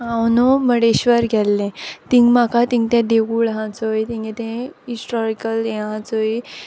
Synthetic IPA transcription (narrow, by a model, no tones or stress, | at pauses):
ãwnoməɽeɕʋəɾɡʱɛlːẽt̪ĩŋɡmakat̪ĩŋɡt̪ɛ̃d̪eɡuɭɦãt͡sojt̪ĩŋɡet̪ẽisʈɔɾikəlẽɦãt͡soi